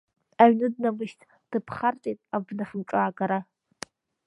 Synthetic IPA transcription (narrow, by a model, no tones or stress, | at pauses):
aɥnɨd̚namɨʃtʰʼ | d̥ɨpʰχartʼitʼabnafɨmʈ͡ʂʼaːɡaɾa